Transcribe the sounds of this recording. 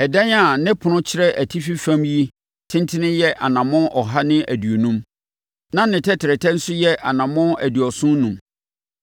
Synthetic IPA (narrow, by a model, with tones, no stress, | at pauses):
ɛ˨dɛ̃˦na˨nɪ̃˦pʰʊ˨nʊ̃˦t͡ɕʰɪ˦ɾɛ˦ʔæ˨tʰi˦fi˦fã˦mji˦ | tʰɪ̃˦ntʰɪ˦nɪ̃˦jɛ˦ʔa˨nã˨mʊ̃˦nʔɔ˨ɦa˦nɪ̃˦ʔæ˨dɥo˨nũ˦m | nã˦nɪ̃˨tʰɛ˦tʰɪ˨ɾɛ˨tʰɛ̃˦n̩˦sʊ˦jɛ˦ʔa˨nã˨mʊ̃˦næ̰˨dɥɔ˨sʊ̃˦nnːũ˨m